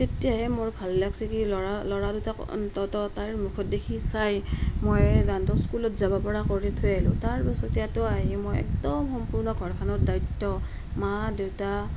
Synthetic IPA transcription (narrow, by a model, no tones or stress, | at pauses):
tetijaɦɛmoɹbʱalːaksikilɔalɔɹaduta̰ | tɔtɔtaɹmukʰɔt̚dekʰisajmojɡantɔskulɔt̚zabapɔɹakɔɹitʰʊjalʊ̰̃taɹbɔsɔtijatɔaɦimojɛ̰k̚dɔmxɔmpuɹnɔɡʱɔɹkʰanɔɹdajtːɔ | madewta